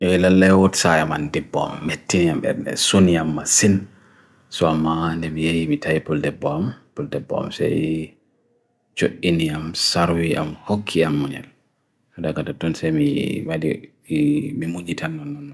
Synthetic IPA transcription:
ʔɛlalːajwotsajama̰ndɛbɔ̰mːetːiniamɛ̰ɾnɛ̰suniamːasin | sɔamːandɛmijajimitʰajipuldɛbːɔmpuldɛbɔ̰a̰msa̰j | t͡ʃoɗːiniamsaɾwiʔa̰mhokʰːiamːuɲɛ̰l | sɔdaɡatatɔnsɛmḭwadḭ | imimuɲitʰanːɔnɔn

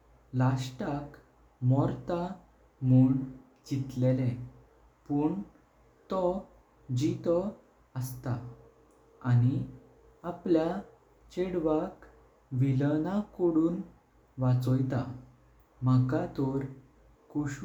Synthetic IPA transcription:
lasʈak | mɔɾt̪a | muɳ | d͡ʑit̪lelɛ̃ | puɳ | t̪ɔ | d͡ʑit̪ɔ | əst̪a | añi | aplja | t͡ɕeɽʋak | ʋilənakoɽuːn | ʋat͡sɔjt̪a̰ | m̤akat̪ɔɾ | kuɕ

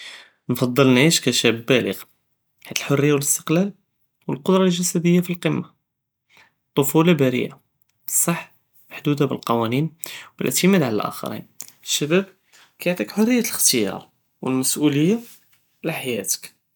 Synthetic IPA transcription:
nfɑd̪ˤːəlnʕiʃkæʃæbːælə̰ɣ | ħat̪ːəlħorːəjːawələst̪ə̥qlæl | wəlqʊd̪ɾˤɑlʒæsæd̪əjːafilqəmːa | t̪ˤːofulɑbæɾə̰jʔa̰ | bə̥sˤːɑħ | maħd̪ud̪abəlqɑwæninwəlʔʕt̪əmæd̪ʕalæ̰lʔæ̰xɑ̰ɾḭnəʃːæbæb̚ | kæjoʕt̪ˤikħorːəjːæt̪ləxt̪əjɑ̰ɾˤ | wəlmæsʔuləjːa | laħajæt̪ə̥k

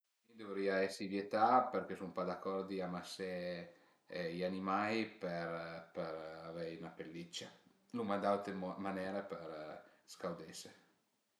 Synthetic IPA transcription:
id̪ovɾiaɛsːivjet̪aperk̟esupad̪akːɔrd̪iamase | janimajpeɾpeɾavɛjunapelːit͡ʃːa | lumand̪awt̪emanɛːɾapeɾskawd̪ese

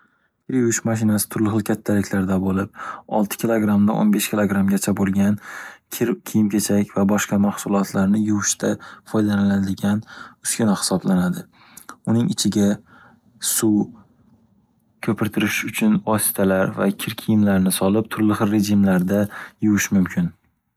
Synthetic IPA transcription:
kʲʰɪɾjʊwɪʃmaʃ̬ɪnasɪ̥t̪ʰʊɾlɪɦɨlˠkʲʰat̪ʰːalɪkʲlaɾd̪abolɪp̚ɒ̰lˠt̪ʰɪ̥kʲʰɪlˠoɡɾamd̪aʔo̰nbeʃkʲʰɪlˠoɡɾamɡʲat͡ʃʰabolˠɡʲankʲʰɪɾkʲʰijɪmkʰʲet͡ʃʰakʲvabɒʃqɑmahsʊlˠɒt̪ʰlaɾnɪjʊwɪʃt̪ʰafɒjd̪analad̪ɪɡʲanʊskʲanahɪ̥sɒblanad̪ɪ | ʊnɪŋɪt͡ʃʰɪɡʲa | su | kʲʰɵpɪɾt̪ʰɪɾɪʃʊt͡ʃʰʊnɒsɪ̥t̪ʰalaɾva̰kʲʰɪɾkʲʰijɪmlaɾnɪsɒlɪp̚t̪ʰʊɾlɪχɨlːe̞ʒɪmlaɾd̪ajʊwɪʃmʊmkʲʰɪn

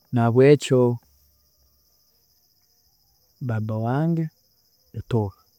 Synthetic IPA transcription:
naβwet͡ʃo | babawaːŋɡe | etoɣa

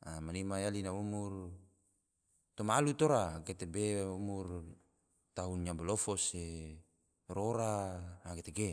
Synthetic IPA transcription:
amanimajalinaumur | t̪omalut̪oɾaket̪ebeumur | t̪aunɲabɔlofɔse | roɾaaket̪eɡe

